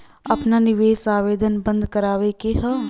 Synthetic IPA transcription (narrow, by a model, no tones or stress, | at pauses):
ɐpnanɪʋeːsaːʋeːd̪ʱənbə̃nd̪ʱkɐɾaːʋekeɦə